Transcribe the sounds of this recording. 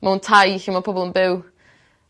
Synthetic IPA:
mauntʰajihiːmapʰɔbɔlˠənbɪw

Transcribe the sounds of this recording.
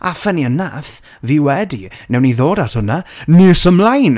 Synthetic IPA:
ʔafɛniənːaθ | viːwɛdinɛwniðoːdathʊnanɪsəmlˠajn

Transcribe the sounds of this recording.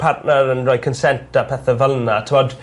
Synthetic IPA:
pʰartnəɾənrɔjkʰənsɛntapʰɛθəvəlˠnatʰəmɔd

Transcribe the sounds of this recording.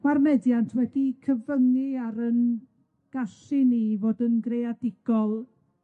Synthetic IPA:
warmɛdjantʰwɛdikʰəvəŋiaɾən | ɡ̥aɬiniːvoːdənɡrejadɪɡ̥ɔlˠ

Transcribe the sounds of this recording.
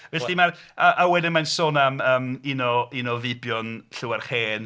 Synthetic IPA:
vɛɬimar | aʔawɛdɪnmansoːnaməːminɔinɔvɪbjɔnɬɪwarχeːn

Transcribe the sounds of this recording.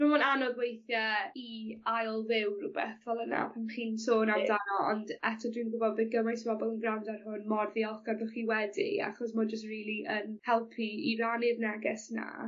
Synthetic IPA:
mamɔnanɔɡwejθjaiajlˠvɪwrʊbɛ̰θvɛlˠəna̰pʰanχiːnsoːnamdanɔɔ̰ndɛtʰɔdwinɡʊbɔdbɪɡəmajsbɔbɔlˠənɡrawndarɦʊnmɔrðjɔlˠχɡ̥arðʊχiwɛdḭa̰χɔs̬mɔd͡ʒəs̬triːlˠiʔənhɛlˠpʰiiranɪdnɛɡɪsna̰

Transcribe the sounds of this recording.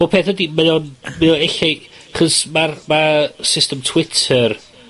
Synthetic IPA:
opʰeːθədimɛʊnmɛðʊneɬɛ | aχɔsmarmasɪstəmtʰw̥ɪtʰər

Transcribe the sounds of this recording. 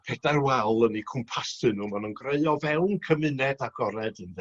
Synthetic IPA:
pʰɛdarwɛlˠənikʰʊmpʰasɨnuːmanunɡreɨɔvɛwnkʰəmɨnɛdaɡɔɾɛdɨnðɛ

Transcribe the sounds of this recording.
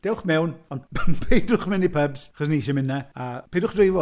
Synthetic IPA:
d̥ɛwχmɛwnɔnnpʰejdʊχmɪnipʰəbz̥aχɔs̬niʃɛmɪnɛapʰeːdʊχdrijvɔ

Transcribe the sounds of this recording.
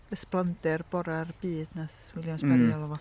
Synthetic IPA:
əsplˠandɛrb̥ɔɾarb̥iːd̥naθwɪlˠjamsbaɾialˠɔvɔ

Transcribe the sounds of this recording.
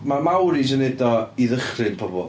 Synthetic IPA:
mamawɾid͡ʒɛnɛdɔiðəχrɨnpʰɔbɔ̰lˠ

